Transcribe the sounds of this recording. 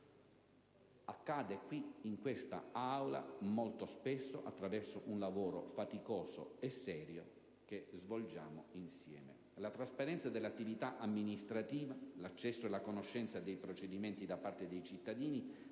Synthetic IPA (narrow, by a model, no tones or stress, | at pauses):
akːaːd̪ekwiiŋkwest̪a̰awla̰molt̪ospesːoʔat̪ːɾavɛrsoʔunlavoːɾo̰fat̪ikoːso̰esːɛːɾjo̰ | k̟ezvold͡ʒa̰ːmo̰insjɛ̰ːmḛ | lat̪ɾaspaɾɛnt̪sad̪elːat̪ːivit̪aʔamːinist̪ɾat̪iːvalat͡ʃːɛsːoelakonoʃːɛnt̪sad̪ejpɾot͡ʃed̪iment̪id̪apːart̪ed̪ejt͡ʃit̪ːad̪iːni